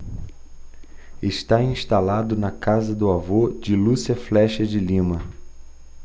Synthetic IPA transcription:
eʃt̪aĩst̪alad̪ʊnɐkazɐd̪ʊavod͡ʒɪlusiɐflɛʃɐd͡ʒɪlĩmɐ

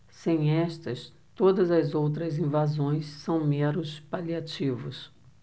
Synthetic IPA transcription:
sẽj̃ɛst̪ɐs | t̪od̪ɐzɐzowt̪̬ɾɐzĩvazõj̃ssɐ̃w̃mẽnʊspaliat͡ʃivʊs

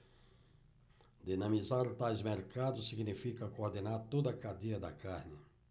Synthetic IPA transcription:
d̪enɐ̃mizaɾt̪ajzmeɾkad̪ʊsiɡnifikɐkoɾd̪enaɾt̪od̪ɐkad̪iɐd̪ɐkaɾnɪ

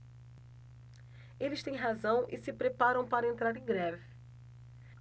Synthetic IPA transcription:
elɪst̪ẽj̃ɦazɐ̃w̃ʔɪsɪpɾepaɾɐ̃w̃paɾɐẽnt̪ɾaɾẽj̃ɡɾɛvɪ

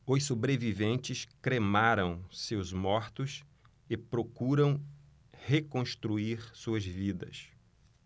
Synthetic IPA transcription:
ʊsobɾevivẽnt͡ʃɪskɾemaɾɐ̃w̃sewzmɔɾt̪ʊs | ɪpɾokuɾɐ̃w̃ | hekõst̪ɾuiɾsuɐzvid̪ɐ̰s

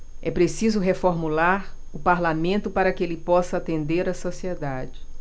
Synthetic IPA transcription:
ɛpɾesizʊɦefoɾmulaɾ | ʊpaɾlamẽnt̪ʊpaɾɐkɪelɪpɔsɐat̪ẽnd̪eɾɐsosied̪ad͡ʒɪ

